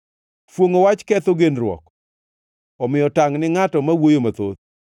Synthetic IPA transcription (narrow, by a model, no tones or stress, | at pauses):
fwoŋowat͡ʃkɛt̪oɡenɾwɔ̰k | ɔmɪjɔtaŋnɪŋatɔmawojomat̪o̰t̪̚